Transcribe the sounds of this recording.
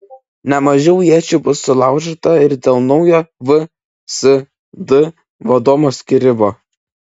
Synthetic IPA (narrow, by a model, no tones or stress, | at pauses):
nʲɛmɐʒʲɛʊjiɛt͡ʃʲuːbʊsːʊlˠɑˑʊʒʲɛt̪ɐɪɾd̪ʲeːlˠnɒʊjoːʋɨ | sɨ | d̪ɨ | ʋɐd̪oːmoːsʲkʲɪɾʲɪmoː